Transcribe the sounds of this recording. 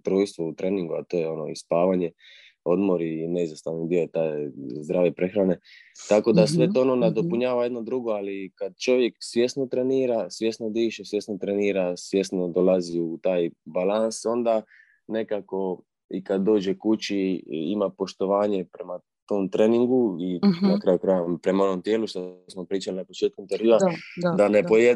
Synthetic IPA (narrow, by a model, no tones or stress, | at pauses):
t̪ɾoːjst̪ʋout̪ɾʔe̞niŋɡuat̪o̞jeo̞no̰ḭspaːʋaɲe̞ | o̞d̪mo̞ɾine̞izast̪aʋnid̪iot̪ajzd̪ɾaːʋepɾe̞xɾane̞t̪ako̞d̪asʋe̞t̪oononed̪o̞puɲaːʋajed̪nod̪ɾuɡo̞alikad̪̚t͡ʃo̞ʋjeksʋje̞sno̞t̪ɾeniːɾasʋje̞sno̞d̪iːʃesʋje̞snot̪ɾeniːɾasʋje̞st̪no̞d̪olaziut̪aːjbalanso̞nd̪a | ne̞kako̞ | ikad̪ːo̞ːd͡ʑekut͡ɕiimapo̞ʃt̪o̞ʋaːɲe̞pɾe̞ma | t̪oːmt̪ɾeːniŋɡuinakɾaːjukɾajampɾe̞maono̞mt̪je̞ːluʃt̪osmo̞pɾiːt͡ʃalinapo̞t͡ʃeːt̪kumt̪eɾiːʋad̪anepoje